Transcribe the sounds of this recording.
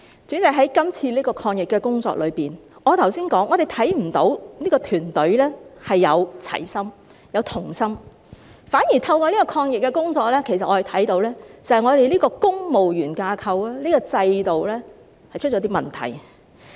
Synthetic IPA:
t͡sy˨˥nt͡sɐ˨˧˥ɦɐ˨˥jkɐ˥mt͡sʰiː˧liː˥kɔː˧kʰɔː˧ŋjɪ˨kːɛː˧kʊ˥ŋt͡sɔ̰ː˧k̚lɵ˨˧ɥpiː˨nŋɔː˨˧t̪ʰɐ˨˩wsiː˥nkɔː˨˥ŋʔɔ˨˧ɾe˨jt̪ʰɐ˨˥jm̩˨˩t̪o˨˥wniː˥kɔː˧t̪ʰyː˨˩nt̪ɵ˨˥ɥlɛː˥hɐ˨jːɐ̰˨˧wt͡sʰɐ̰˨˩jsɐ˥m | jɐ˨˧wt̪ʰʊ˨˩ŋsɐ˥m | faː˨˥nji˨˩t̪ʰɐ˧wkɔː˧liː˥kɔː˧kʰɔː˧ŋjɪ˨k̚ːɛ˧kʊ˥ŋt͡sɔː˧k̚lɛː˥kʰe˨˩jsɐ˨t̚ʔɔː˨˧˨t̪ʰɐ˨˥jt̪o˨˥wlɛː˥t͡sɐ˨hɐ˨jŋɔː˨˧ɾe˨jliː˥kɔː˧kʊ˥ŋmo˨wjyː˨˩nkaː˧kʰɐ˧waː˥liː˥kɔː˧t͡sɐ˧jt̪o˨wlɛː˥ | hɐ˨jt͡ʃʰɵ˥t̚t͡ʃɔː˨˧˥t̪iː˥mɐ˨nt̪ʰɐ̰˨˩j

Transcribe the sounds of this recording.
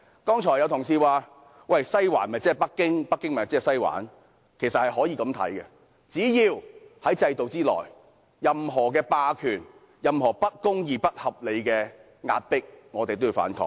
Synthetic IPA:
kɔː˥ŋt͡ʃʰɔː˨˩jɐ˨˧wt̪ʰʊ˨˩ŋsiː˧waː˨˧ | wɐ˨˩jsɐ˥jwa̰ː˨˩nmɐ˨jt͡sɛː˥˨˩pɐ˥kːɪ˥ŋpɐ˥kːɪ˥ŋm˨˩t͡sɛː˥˨sɐ˥jwa̰ː˨˥n | kʰe˨˩jsɐ˨t̚hɐ˨jɦɔː˨˥jiː˨˧kɐ˨˥mt̪ʰɐ̰˨˥jkɛ˧ | t͡siː˨˥jiː˧whɐ˨˥jt͡sɐ˧jt̪o˨wt͡siː˥lɔ̰ː˨˩j | jɐ˨mɦɔː˨˩kɛː˧paː˧kʰyː˨˩n | jɐ˨mhɔː˨˩pɐ˥t̚kʊ˥ŋjiː˨pɐ˥t̚hɐ˨p̚le˨˧jkɛː˧ | ŋa̰ː˧t̚pɪ˥k̚ŋɔː˨˧t̪e˨jt̪o˥wjiː˨˧wfa̰ː˨˥nkʰɔ̰ː˧k̚

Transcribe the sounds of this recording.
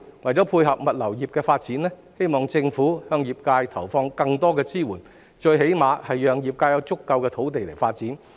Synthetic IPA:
wɐ˨˩jt͡sɔː˨˥pʰuː˧jɦɐ˨p̚mɐ˨t̚lɐ˨˩wjiː˨p̚kɛː˧faː˧t̚t͡siː˨˥nlɛː˥ | he˥jmɔː˨˩ŋt͡sɪ˧ŋfuː˨˥hœː˧ŋjiː˨˩p̚kaː˧jt̪ʰɐ˨˩wfɔː˧ŋkɐ˧ŋt̪ɔː˥kɛː˧t͡siː˥wuː˨˩n | t͡ʃɵ˧ɥɦe˨˥jmaː˨˧hɐ˨jːœː˨˩ŋji˨p̚kaː˧jɐ˨˧˥wt͡sʊ˥kːɐ˧wkɛː˧t̪ʰo˨˥wt̪e˨jle˨˩jfaː˧t̚t͡siː˨˥n

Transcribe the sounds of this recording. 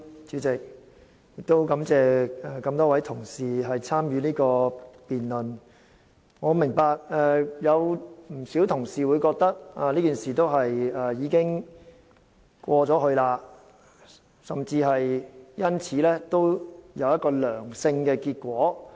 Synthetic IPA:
t͡syː˨˥t͡sɪ˨k̚ | jɪ˨k̚t̪o˥wkɐ˨˧˥mt͡sɛː˨ɛ˨kɐ˧mt̪ɔː˥wɐ˨˥jt̪ʰʊ˨˩ŋsiː˨ɦɐ˨jt͡sʰaː˥mjyː˨˧niː˥kɔː˧piː˨nlɵ˨n | ŋɔː˨˧mɪ˨˩ŋpaː˧k̚ɛ˨˧jɐ˨˧wm̩˨˩si˨˥wt̪ʰʊ˨˩ŋsiː˨wu˨˧jkɔː˧k̚t̪ɐ˥k̚aː˨˧liː˥ki˨˩nsiː˨˩t̪o˥wɦɐ˨jɛ˨jiː˨˧kɪ˥ŋ | kʷɔː˧t͡sɔː˨˥hɵ˧ɥlaː˧ | sɐ˨mt͡siː˧ɦɐ˨jjɐ˥nt͡sʰiː˨˧˥lɛː˥t̪o˥wjɐ˨˧wjɐ˥t̚kɔː˧lœː˨˩ŋsɪ˧ŋkɛː˧kiː˧t̚kʷɔː˨˥

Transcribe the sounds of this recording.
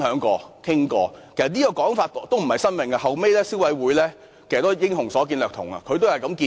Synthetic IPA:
hœː˨˥ŋkɔː˧kʰɪ˥ŋkɔː˧kʰe˨˩sɐ˨t̚niː˥kɔː˧kɔː˨˥ŋfaː˧tt̪ːo˥wm̩˨˩hɐ˨jsɐ˥nmɪ˨ŋɐ˧ɦɐ˨wme˥jlɛː˥si˨˥wɐ˨˧˥jwuː˨˥jlɛː˥ | kʰe˨˩st̪o˥jɪ˥ŋhʊ˨˩ŋsɔː˨˥k̬iː˧nlœː˨t̪ʰʊ˨˩ŋɐ̰˧kʰɵ˨˧ɥt̪o˥whɐ˨jkɐ˨˧˥mkiː˧

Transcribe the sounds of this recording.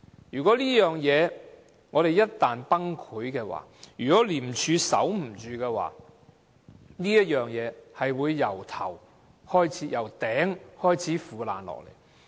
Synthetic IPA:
jyː˨˩kɔː˨˥liː˥jœː˨ŋjɛː˨˧ | ŋɔː˨˧ɾe˨jɐ˥t̚t̪ːaː˨npɐ˥ŋkʰuː˨˥jkɛː˧wa̰ː˨˩jyː˨˩kɔː˨˥liː˨˩m̩˨t͡ʃʰyː˨˧sɐ̰˨˥wm̩˨˩t͡ʃyː˨˧kɛː˧wa̰ː˨˧ | niː˥jɐ˥t̚jœː˨˩ŋjɛː˨˧hɐ˨jwuː˨˧jːɐ˨˩wt̪ʰɐ˨˩w | hɔː˥jt͡sʰiː˨˥jɐ˨˩wt̪ɛː˨˥ŋhɔː˥jt͡sʰiː˨˥fuː˨la̰ː˨nlɔ̰ː˨k̚lḛ˨˩j

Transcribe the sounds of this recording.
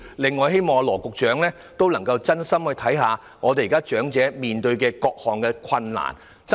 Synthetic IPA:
lɪ˨˧ŋːɔː˨˧jɦe˥jmɔː˨ŋɔ˨˧lɔː˨˩kʊ˨k̚t͡ʃœː˨˥ŋlɛː˥ | t̪o˥wlɐ˨˩ŋkɐ˧wt͡sɐ˥nsɐ˥mhɵ˨˧jt̪ʰɐ˨˥jɦaː˨˧ | ŋɔː˨˧t̪e˨jkaː˥t͡ʃœː˨˥ŋt͡sɛː˨˥miː˨nt̪ɵ˧ɥkɛː˧kɔː˧k̚hɔː˨ŋkɛː˧kʷʰɐ˧nla̰ː˨˩n | t͡s

